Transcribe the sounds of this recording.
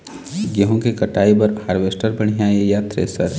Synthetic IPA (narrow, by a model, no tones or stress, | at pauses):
ɡəɦõkikɐʈaːibɐɾhaːɾʋeːsʈəɾbɐɽ̤̃ijajejaːt̪ɾḛːsɐɾ